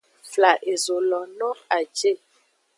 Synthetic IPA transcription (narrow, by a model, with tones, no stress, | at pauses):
fla˨ʔe˨zo˨lɔ˨nɔ̃˦a˨d͡ʒe˦˨